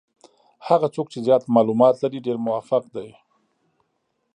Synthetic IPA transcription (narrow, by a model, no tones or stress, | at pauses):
haɣat͡sok̚t͡ʃezjɑt̪mɑlumɑt̪laɾiɖeɾmʊwafaqd̪aj